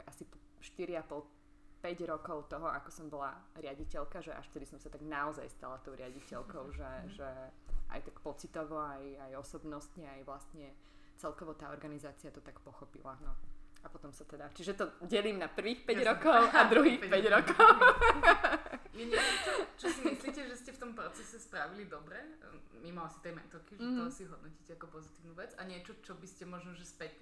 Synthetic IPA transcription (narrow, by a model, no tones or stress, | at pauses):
asipɔ | ʃt̪iɾiapɔlˠ | pɛɟɾɔkɔʊt̪ɔɦɔʔakɔ̥sɔmbɔlaɾɪaɟicɛʎkaʒɛʔa̰ʃt̪ɛd̪isɔmsat̪aɡnaɔza̰jst̪a̰lat̪ɔʊɾɪaɟicɛlkɔʊʒɛʒɛʔa̰jt̪akpɔt͡sit̪ɔʋɔajajɔsɔbnɔst̪ɲɛajʋlast̪ɲɛ | t͡sɛlkɔʋɔt̪aːɔɾɡanizaːt͡siat̪ɔt̪akpɔxɔpḭlanɔapɔt̪ɔmsat̪ɛd̪at͡ʃiʒɛt̪ɔɟɛliːmnapr̩ʋiːxpɛɟɾɔkɔʊad̪ɾuɦiːxpɛɟɾɔkɔʊ | mɛɲɛt͡ʃɔɔt͡ʃɔsimislicɛʒɛscɛft̪ɔmpɾɔt͡sɛsɛspɾaʋilid̪ɔbɾɛmimɔasi̥t̪ɛjmɛt̪ɔkiʒɛt̪ɔsiɦɔd̪nɔcicɛakɔpɔzit̪iːʊnuːʋɛd͡zaɲɪɛt͡ʃɔt͡ʃɔbiscɛmɔʒnɔʒɛspɛt̪ɲɛ